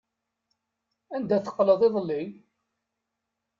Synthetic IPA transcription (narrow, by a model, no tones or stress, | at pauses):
ænd̪æθə̥qːləðˤeðˤlːi